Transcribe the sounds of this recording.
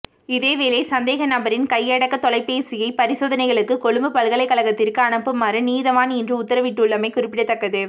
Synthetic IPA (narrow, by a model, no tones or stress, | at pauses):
ɪðeːʋeːleːsɐnd̪eːɣɐnɐbɐɾɪnkɐjːɛɽɐkːɐt̪ɔlɐɪpːeːsɪjɐɪpɐɾɪsoːðɐnɐɪɣɐɭɯkːɯkɔɻɯmbɯpɐlɣɐɭɐɪkːɐɭɐɣɐt̪ːɪrkɯɐɳɐpːɯmaːrɯniːðɐʋaːnɛndrɯʊt̪ːɐɾɐʋɪʈːɯʊɭːɐmɐɪkʊɾɪpːɪɽɐt̪ːɐkːɐðɯ